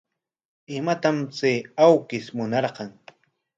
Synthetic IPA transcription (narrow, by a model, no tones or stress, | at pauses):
ɪmat̪amt͡seːawkɪsmʊnɑɾqɑŋ